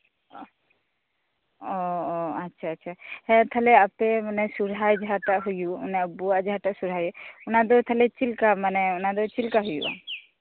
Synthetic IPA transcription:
ɔatːʃʰaːtːt͡ʃʰahɛ̃t̪ʰalɛapɛmanɛsuɾɦajd͡ʒaɦaʈaʔɦujumanɛbuad͡ʒaɦaʈaʔsuɾ̤ɦajunad̪ɔt̪ʰalɛt͡ʃilkamanɛunad̪ɔt͡ʃilkaɦujṵʔa̰

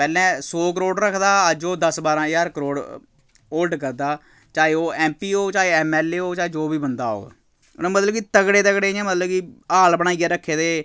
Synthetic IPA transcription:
pɛːlɛ̃ːsoːk̬əɾoːɽɾəkʰd̪aːəd͡ʒoːd̪əsbaːɾãːjaːɾkəɾoːɽ | oːlɖkəɾd̪aː | t͡ʃaːeːoːɛːmpiːoːt͡ʃaːeɛːmɛːleːoːt͡ʃaːeːd͡ʒoːbiːbənd̪a̰ːo̰ːɡa̰ | nãːmət̪ləbkit̪əkɽeːt̪əkɽeːɛ̃ːmət̪ləbkiaːlbəɽ̃aːiːɛːɾəkʰːeːd̪eː

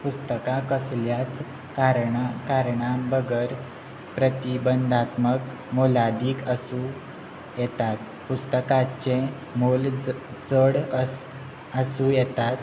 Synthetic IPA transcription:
pust̪əkakəsljat͡s | kaɾɳakaɾɳãbəɡəɾ | pɾət̪ibənd̪ʱat̪mək | molad̪iːkəsũ | jɛt̪at̪ | pust̪əkat͡ɕẽ | molt͡səɽ | əsũjɛt̪at̪

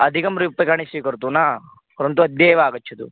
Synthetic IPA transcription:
ɐd̪ʱikɐmɾujupːɐkaɳisʋiːkɐɾt̪uːnaː | pɔɾɐnt̪̬uɐd̪jɐjʋaːɡɐt͡ʃʰːut̪ṵ

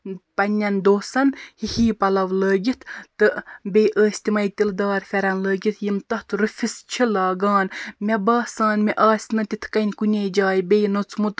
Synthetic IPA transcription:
pɐnʲːɐnd̪oːsɐnhihiːpɐlɐʋləːɡʲit̪ʰt̪ɨbʲejʔəːsʲt̪imɐjt̪ʲild̪ɑːɾfʲɛɾɐnləːɡʲit̪ʰjimt̪ɐht̪ɾɨfʲist͡ʃʰilɑːɡɑːnmʲɛbɑːsaːnmʲɛʔɑːsʲnɐt̪ʲit̪ʰkɐnʲkunʲeːd͡ʒaːjbejnot͡sʰmut̪

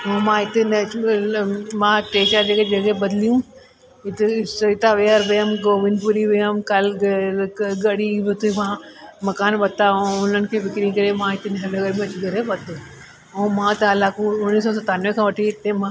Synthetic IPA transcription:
õmãɪt̪ent͡ʃ | mãʈeːʃad͡ʒeked͡ʒɐɡebɐd̪lijũ | ɪt̪sɐɪt̪aʋejaɾbejəmɡoːʋɪnpʊɾiʋejəmkɐl | ɡɐɽibɪt̪ʰumãːmɐkaːnbɐt̪aõʊnənɪ̆kʰefɪkɾĩŋkɐɾemãɪt̪enɦɐlɐɡəɾmẽɐt͡ʃɡɐɾebɐt̪e | õmãːt̪ɐlaːkõʊnːis̬ɔsɐt̪aːnʋẽkʰãʋɐʈʰiɪt̪ẽmãː

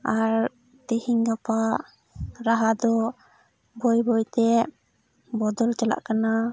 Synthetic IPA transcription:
aɾ | t̪ihiŋɡapa | ɾaɦad̪ɔ | bɔjbɔjt̪ɛ | bɔd̪ɔlt͡ʃala̰ʔkana

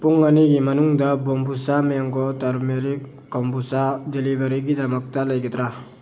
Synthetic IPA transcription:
puŋaniɡimɐnuŋdɐbɔmpʰusameaŋɡɔtaɾmeɾikːɔmpusadelibaɾiɡidamak̚talajɡet̪ɾa

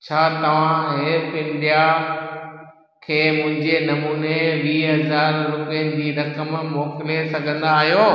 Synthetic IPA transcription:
t͡ɕʰaːt̪ɐʋ̤ãɦeːɾpɪ̃ndija | kʰeːmʊ̃ɦɪ̃ɲd͡ʑenɐmuːneʋiːɦɐzaːɾɾʊpiənɪ̆d͡ʑiːɾɐkəmmɔːkɪlesɐɡʱə̃nd̪aːɦijoː

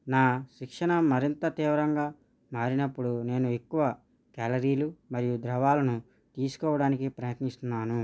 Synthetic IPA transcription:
naːʃikʂɐɳɐmːɐɾint̪ɐt̪iːʋɐɾɐŋɡaː | maːɾinɐpːuɽune̞ːnue̞kːuʋɐ | kaːlɐɾiːlumɐɾijud̪ɾɐʋaːlɐnu | t̪iːsu̥kɔːʋɐɽaːnikipɾɐjɐt̪nist̪unːaːnu

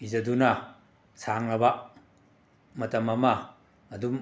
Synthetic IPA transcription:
izɐdunɐ | sʰaŋnɐba | mɐtɐmɐmɐː | dum

